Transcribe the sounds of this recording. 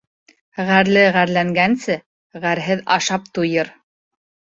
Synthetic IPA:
ʁæɾlɘʁæɾlæŋɡænsɘ | ʁæɾɦɘðɑʃɑp̚t̪ujɤɾ

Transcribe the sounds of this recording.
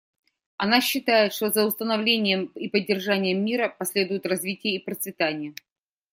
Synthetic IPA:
ɐnaɕːɪt̪ajɪt̪ʂt̪ozəʊst̪ənɐvlʲenʲɪjəmipədʲːɪrʐanʲɪjəmːʲiɾəpɐsʲlʲe̞d̪ʊjʊt̪rɐzvʲitʲɪjəipɾət̪svʲɪt̪anʲɪjə

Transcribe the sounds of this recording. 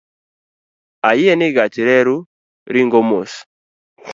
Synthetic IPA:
ajieniɡatiɾeɾu | ɾiŋɡomosi̥

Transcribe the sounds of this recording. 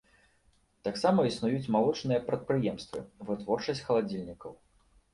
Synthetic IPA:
t̪aksamɐisnujut͡sʲmalˠɔt͡ʂnɨjɐpɾɐt̪̚pɾɨjɛmst̪vɨ̰vɨt̪vɔrt͡ʂɐsʲt͡sʲxɐlˠad͡zʲilʲnʲikɐw

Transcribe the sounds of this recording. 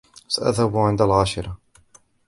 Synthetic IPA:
saʔa̰ðhabuʕɪnd̪alʕaːʃɪɾˤɑ

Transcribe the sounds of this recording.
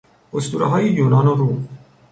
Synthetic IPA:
ost̪uːɾɔ̰ɦɒːjijuːnɔːnoɾuː

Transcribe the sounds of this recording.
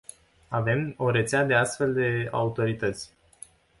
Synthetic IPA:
ave̞mo̞ɾe̞t̪sead̪e̞ast̪fe̞ld̪e̞a̰ut̪o̞ɾit̪ət̪sʲ

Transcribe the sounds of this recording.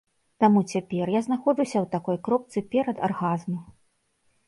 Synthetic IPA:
t̪amut͡sʲapʲɛrjaznaxɔd͡ʐusʲɐwt̪akɔjkɾɔp̚t̪sɨpʲɛɾɐd̪arɣazmu

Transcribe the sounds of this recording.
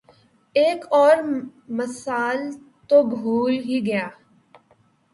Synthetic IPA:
eːkɔːɾ | məsaːl | t̪obʱuːlɦiɡɐjaː

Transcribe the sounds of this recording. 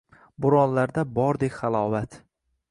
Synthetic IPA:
bʊɾɒnlaɾd̪abɒɾd̪ekʲχalˠɒvat̪

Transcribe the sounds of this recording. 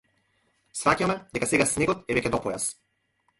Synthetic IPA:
sɾacamɛd̪ɛkasɛɡasnɛɡɔt̪ɛvɛcʲɛd̪ɔpɔjas

